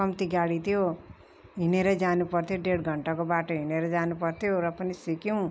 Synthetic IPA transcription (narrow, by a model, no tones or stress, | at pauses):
ʌmt̪iɡaɽit̪ʰjo | ɦineɾʌd͡zanupʌrt̪ʰjoɖeɽɡʱʌɳʈakobaʈʌɦineɾʌd͡zanupʌrt̪ʰjoɾʌpʌnisikjuw̃